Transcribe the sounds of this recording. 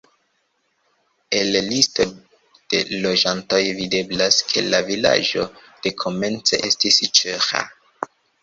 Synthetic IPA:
e̞llisto̞ | d̥e̞̰lo̞ʒanto̞jvide̞blaskʰe̞̰lavila̰ʒo̞̰d̥e̞kʰo̞me̞nt͡se̞̰ʔe̞stist͡ʃeɾa̰

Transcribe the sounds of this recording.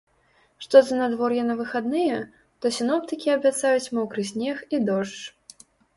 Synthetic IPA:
ʂt̪ɔzɐnad̪vɔrjɛnɐvɨxad̪nɨjɛ | t̪ɔsʲinɔp̚t̪ɨkʲiɐbʲat̪sajut͡sʲmɔwkɾɨs̬ʲnʲɛxid̪ɔʂt͡ʂ

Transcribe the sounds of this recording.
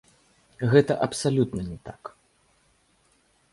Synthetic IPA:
ɣɛt̪ɐʔɐpsalʲut̪nɐnʲɛt̪ak

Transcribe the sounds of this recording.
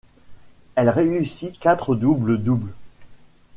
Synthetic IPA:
ɛlʁeysikat̪χəd̪ubləd̪ubl

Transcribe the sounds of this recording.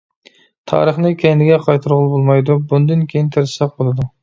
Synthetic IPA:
t̪ʰɑ̰ːɾəχnɨkʲʰɛjnɪɡʲɛqʰɑjt̪ʰɨɾʁʊlˠbolˠmɑjd̪ubund̪ɨnkʲʰejint̪ʰɪɾsɛq̚bolˠɨd̪u

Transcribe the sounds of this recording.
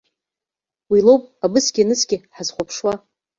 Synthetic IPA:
wilowpʼabɨsɡʲinɨsɡʲɪħazχʷapʰʂwa

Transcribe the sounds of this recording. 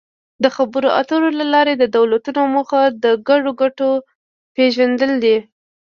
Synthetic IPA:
d̪əxabəɾoʔa̰t̪oɾolalɑɾed̪əd̪awlat̪unoməxad̪əɡaɖoɡaʈo | peʒand̪əld̪i

